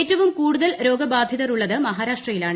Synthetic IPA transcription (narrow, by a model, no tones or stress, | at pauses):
eːtːɐʋumkuːɽuðɐlɾo̞ːɡɐbaːd̪ʱjɐðɐruɭːɐðɨmɐɦaːɾaːʂʈrɐjilaːɳɨ